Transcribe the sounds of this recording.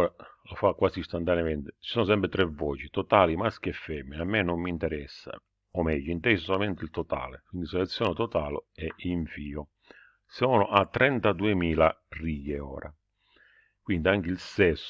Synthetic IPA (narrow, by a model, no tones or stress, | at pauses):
ɔːɾalofakːwaːsist̪ant̪anjamɛnt̪ɪt͡ʃisɔːnʊs̬ɛmpɾɪt̪ɾɛvːɔːt͡ʃit̪ɔt̪aːlimask̟ɛfːɛmːinamːɛnomːint̪ɛɾɛsːa̰ | ɔmɛjːʊint̪ɛsosɔlamɛnt̪ɪilt̪ɔt̪a̰ːlḛkwind̪isɔlɛt̪sːjɔːnet̪ɔt̪aːlɛiɱfiːo | sɔːnʊʔat̪ːɾɛnt̪ad̪uemiːla | riːjeɔ̰ːɾa̰ | kwind̪iaŋk̟ɪilsɛsː